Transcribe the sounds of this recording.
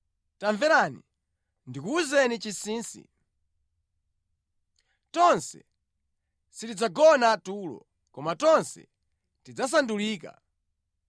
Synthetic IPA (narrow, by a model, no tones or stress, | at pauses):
taɱvɛɾani | ndikuːzɛnit͡ʃisiːnsḭ | tɔnsɛ | sitid͡zaɡɔnaːtuːlɔ̰ | kɔmatɔnsɛ̰ | tid͡zas̬anduliːka̰